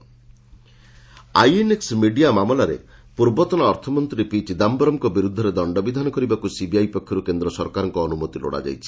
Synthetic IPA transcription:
ajeneksmiɖiamamɔlaɾḛpuɾbɔt̪ɔnaɔɾt̪ʰɔmɔnt̪ɾipit͡ʃid̪ambɔɾɔmkɔbiɾud̪ʱːɔɾed̪ɔɳɖɔbid̪ʱanɔkɔɾibakusibiajpɔkʰːjɔɾukend̪ɾɔsɔɾkaɾɔŋkɔːnumot̪ilo̰ɽa̰d͡ʒa̰jt͡ʃʰi̥

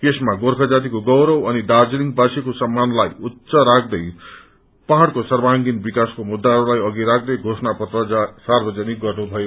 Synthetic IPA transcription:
kesmaɡorkʰʌd͡zat̪̬ikoɡʌwɾʌwʌniɖard͡zniŋɡ̚basekosʌmːanlajutːsʌɾak̚ʰd̪ʌj | paɦaɽkosʌrbaŋɡinbikaskomud̪ːaɦɾulajʌɡiɾak̚ʰd̪ʌjɡʱosnapʌt̪rʌsarbʌd͡zʌniɡʌrnubʱʌe

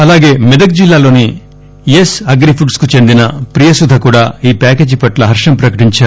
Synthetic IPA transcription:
ɐlaːɡe̞ːmid̪ɐɡ̚d͡ʒilːaːlo̞ːni | jesɐɡɾipʰuɖskut͡ʃe̞nd̪inɐpɾijɐsud̪ʱɐkuːɽaːiːpaːke̞ːd͡ʒipɐʈlɐɦɐɾʂɐmpɾɐkɐʈiɲt͡ʃaːɾu

